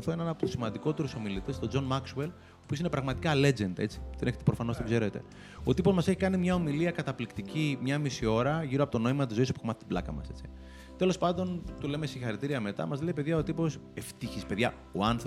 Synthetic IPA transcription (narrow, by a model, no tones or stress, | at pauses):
θoenenɐpot̪u̥simɐnd̪ikot̪e̞ɾuso̞milit̪est̪o̞d͡zo̞nmɐksuel | opiosinepɾɐɣmɐt̪ikɐle̞d͡ʒe̞nd̪e̞t͡si̥t̪ineçet̪epɾo̞fɐno̞st̪oɡze̞ɾe̞t̪e̞ | o̞t̪ipo̞zmɐse̞çikɐnimɲɐo̞miliɐkɐt̪ɐplikt̪icimɲɐmisio̞ɾɐʝiɾoɐpo̞t̪ono̞imɐt̪̬izo̞isopkomɐt̪e̥t̪iblɐkɐ̰mɐ̰se̞t͡si̥ | t̪e̞lo̞spɐnd̪o̞nt̪ule̞mesiŋxɐɾit̪iɾiɐme̞t̪ɐ̰mɐzle̞ipe̞ðʝɐot̪ipo̞se̞ft̪içispe̞ðʝɐ | oɐnθ